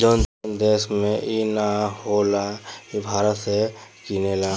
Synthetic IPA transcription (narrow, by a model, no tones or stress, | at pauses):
d͡ʒɔnd̪eːsmẽinaholakibʱaːɾət̪sekinela